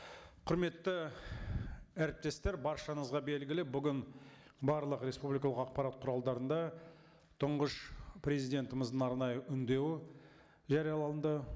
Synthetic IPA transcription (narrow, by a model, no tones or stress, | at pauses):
qʰʊɾme̞t̪ːɪ | æɾɪp̚t̪e̞st̪e̞ɾbɑɾʃɑnəzʁɑbe̞lɡʲɪlɪbʏɡʲɪn | bɑɾlˠəqɾe̞spublijkɑlˠəqɑq̚pɑɾɑt̪̚qʰʊɾɑlˠd̪ɑɾənd̪ɑ | t̪ʰʊɴʁəʃprʲezijd̪ʲe̞nt̪əməzd̪ənɑɾnɑjəʔʏnd̪e̞w | ʒɑɾijɑlˠɑənd̪ə